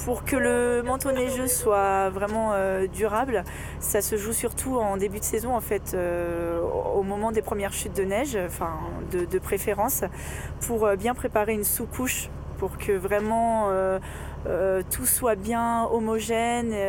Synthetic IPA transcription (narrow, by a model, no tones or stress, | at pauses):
puʁkələmɑ̃t̪onɛʒøswavʁɛmɑ̃ød̪yʁabl | sasəʒusyʁt̪ʰuɑ̃d̪ebyd̪əsezɔ̃ɑ̃fɛt̪ʰø | omɔmɑ̃d̪epχəmjɛʁʃyt̪̚d̪ənɛʒ̃fɛ̃ | d̪əd̪əpχefeʁɑ̃s | pʰuʁøbjɛ̃pχepaʁeynsukʰuʃ | puʁkʰəvʁɛmɑ̃ø | øt̪ʰuswabjɛ̃ɔmɔʒɛn